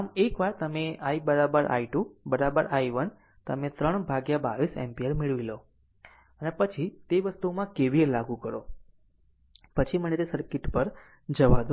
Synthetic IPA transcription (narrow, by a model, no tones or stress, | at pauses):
amekʋaɾt̪əmeaibəɾabəɾʔa̰iʈubəɾabəɾajʋən | t̪əmẽt̪ɾəɳbʱaɡjabaʋisɛ̰mpiəɾmɪɭʋilo | ənepət͡ʃʰit̪eʋəst̪umãkeʋielaɡũkəɾo | pət͡ʃʰimənet̪esəɾkɪʈpəɾ | d͡ʒəʋad̪o